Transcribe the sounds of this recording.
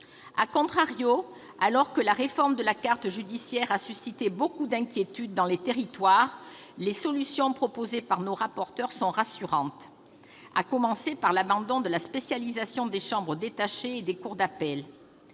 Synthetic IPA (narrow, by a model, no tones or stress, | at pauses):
akɔ̃t̪χaʁjo | alɔʁkəlaʁefɔʁmd̪əlakaʁt̪ʒyd̪isjɛʁasysit̪ebokud̪ɛ̃kʲjet̪yd̪ːɑ̃let̪eʁit̪waʁ | lesɔlysjɔ̃pχɔpozepaʁnoʁapɔʁt̪œʁsɔ̃ʁasyʁɑ̃t̪ | a̰kɔmɑ̃sepaʁlabɑ̃d̪ɔ̃d̪əlaspesjalizasjɔ̃d̪eʃɑ̃bʁəd̪et̪aʃeːd̪ekuʁd̪apɛl